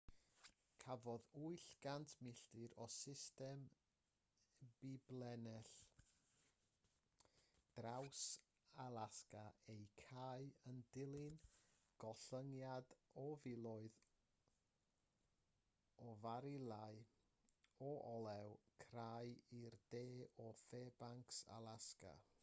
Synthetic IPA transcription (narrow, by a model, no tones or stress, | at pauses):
kʰavɔðuɨɬɡ̥antʰmɪɬtɪɾɔsɪstɛm | b̥ɪblˠɛnɛɬ | d̥raws | alˠaskaejkʰaɨəndɪlˠɪn | ɡ̥ɔɬəŋjadɔvɪlˠɔɨð | ɔvaɾɪlˠaɨ | ɔʔɔlˠɛwkʰrajird̥eːɔfeːbaŋksa̰lˠaska̰